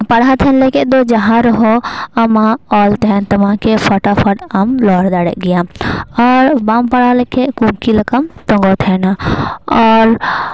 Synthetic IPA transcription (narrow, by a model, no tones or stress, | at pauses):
pəɽat̪ʰɛnlɛkɛʔd̪ɔd͡ʒaɦãɾɔɦɔəmãɔlt̪ɛnt̪ɐmãkepʰɔʈapʰəʈamlɔːɽd̪aɽɛ̰ʔɡɛjãɔɾbampəɽalɛkɛʔkuŋkiləkəmt̪ɔ̃ŋɡɔt̪ʰɛnaɔɾ